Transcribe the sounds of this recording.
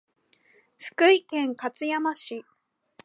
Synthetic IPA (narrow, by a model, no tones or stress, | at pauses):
ɸɯ̟̥kɯ̟ikẽ̞ŋkat͡sɨjamaɕi